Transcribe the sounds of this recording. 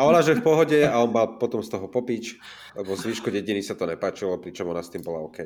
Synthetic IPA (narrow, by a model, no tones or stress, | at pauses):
aɔnaʒɛɛfpɔɦɔɟɛaɔnmalpɔt̪ɔmst̪ɔɦɔpɔpit͡ʃ | lɛbɔzʋiːʃkɔɟɛɟiniːsat̪ɔɲɛpaːt͡ʃilɔpɾit͡ʃɔmɔnast̪iːmbɔlaɔkɛj